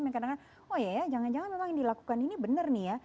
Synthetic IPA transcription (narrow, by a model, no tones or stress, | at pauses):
makadakan | ojajad͡ʒaŋand͡ʒaŋanmemaŋdilaku̥kaninibənərnija